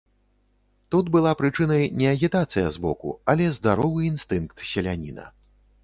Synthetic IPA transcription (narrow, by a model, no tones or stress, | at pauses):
t̪ud̪bɨlˠapɾɨt͡ʂɨnɐjnʲɛɐɣʲit̪at̪sɨjɐzbɔkṵɐlʲɛzd̪aɾɔvɨinst̪ɨnkt̪sʲɛlʲanʲḭnɐ̰